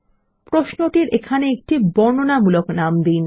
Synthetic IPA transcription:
pɾoʃnoʈiɾekʰaneek̚ʈibɔnonamuloknamd̪in

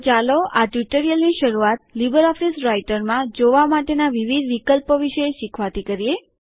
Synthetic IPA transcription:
t͡ʃaloʔaʈjuʈəɾijəlniʃəɾuat̪̚libəɾɔfisɾaiʈəɾmãd͡ʒoʋamaʈenaʋiʋid̪ʱʋikəlpoʋiʃəeʃikʰʋat̪ʰikəɾie

